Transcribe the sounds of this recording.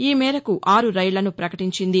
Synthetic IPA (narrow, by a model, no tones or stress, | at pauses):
iːmɛːɾɐkuʔaːɾuɾɐjɭɐnupɾɐkɐʈiɲt͡ʃind̪i